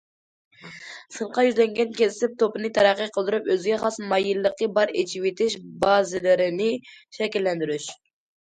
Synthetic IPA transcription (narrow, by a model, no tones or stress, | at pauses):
sɨɴqɑjyzlɛŋɡʲɛnkʲesɪsɪp̚t̪ʰopɨnɨt̪ʰɛɾæqːəqʰəlˠd̪ɨɾupøzɪɡʲɛχɑsmɑjɨlˠːəqːəbɑɾet͡ʃʰiwet̪ʰɪʃbɑzɪlɪɾɪnɪʃɛkʲilːɛnd̪yɾyʃ